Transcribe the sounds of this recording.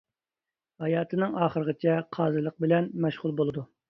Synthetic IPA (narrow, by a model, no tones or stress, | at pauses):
hɑjɑːt̪ʰɨnɨŋɑːχəɾəʁət͡ʃʰɛqʰɑːzɨlˠəq̚bɪlɛnmɛʃʁʊlˠbolˠɨd̪u